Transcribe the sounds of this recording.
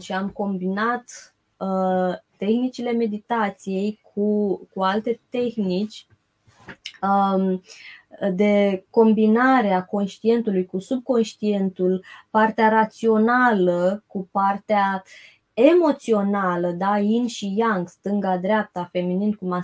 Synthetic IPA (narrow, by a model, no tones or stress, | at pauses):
ʃiamko̞mbinat̪ | əː | e̞xnit͡ʃile̞me̞d̪it̪at̪sije̞jkʰukualt̪e̞t̪e̞xnit͡ʃʲ | d̪e̞ko̞mbinaɾeako̞nʃt̪ie̞nt̪ulujkusub̚ko̞nʃt̪ie̞nt̪ulpart̪eaɾat̪sio̞naləkupart̪ea | e̞mo̞t̪sio̞naləd̪ainʃijaŋɡst̪ɨŋɡad̪ɾeap̚t̪afe̞mininkuma